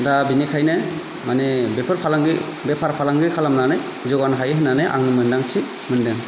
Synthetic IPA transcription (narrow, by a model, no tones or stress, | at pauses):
dabinikʰajna | manebɛpʰɯɾpʰalaŋɡɯ | bɛpʰaɾpʰalaŋɡɯkʰalamnana | zɔɡanɦajɦɯnːaneʔa̰ŋnɯmɯndaŋt͡ʃʰi | mɯndɯŋ